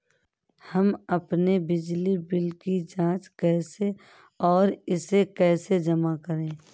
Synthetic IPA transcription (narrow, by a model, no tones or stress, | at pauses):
həmɐpnebɪd͡ʒlibɪlkid͡ʒãːt͡ʃkɛːse | ɔːɾɪsekɛːsed͡ʒəmakəɾẽː